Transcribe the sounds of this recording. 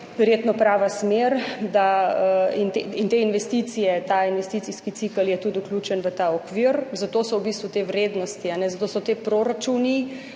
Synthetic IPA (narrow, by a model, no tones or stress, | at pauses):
ʋɛɾjet̪nɔpɾaːʋasmeɾd̪aəint̪eint̪einʋɛst̪it̪sijɛt̪ainʋɛst̪it̪siskit̪sikəljɛt̪ut̪uklʲuːt͡ʃɛnʋət̪aɔkʋiɾzat̪oːsɔwbist̪ʋut̪eʋɾeːd̪nɔst̪ianɛzat̪oːsɔt̪epɾoɾat͡ʃuni